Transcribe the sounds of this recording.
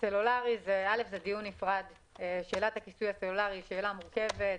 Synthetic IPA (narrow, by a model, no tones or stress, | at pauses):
selulaʁizeale̞fzed̪ijunːifʁad̪ | eʃe̞ːlat̪hakisujaselulaʁiʃeːlamuʁke̞vet